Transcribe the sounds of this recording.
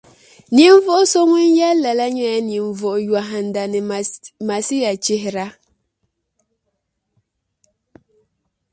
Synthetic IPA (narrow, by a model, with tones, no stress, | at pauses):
ni˨˦ɱ˦vɔ˦ʔso˦ŋɛ˦n˦ja˦la˨la˦ɲɛ˦ja˦ni˨ɱ˨vɔ˨ʔjwa˨ɦa˨n˨da˨nɛ˨ma˨si˦ja˨t͡ʃi˦ɦɾa˦